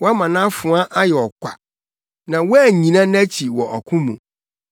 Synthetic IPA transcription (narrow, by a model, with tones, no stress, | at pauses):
wɔ˦a˦mã˨nã˦fʊ̃˨˦a˦ʔa˦jɛ˨ɔ˨kʷʰa̰˨ | nã˨wɔ˦æ˦˨ɲĩ˨nã˦n˦æ˦t͡ɕʰi˨wɔ˨ʔɔ˨kʰʊ̃˦mũ˨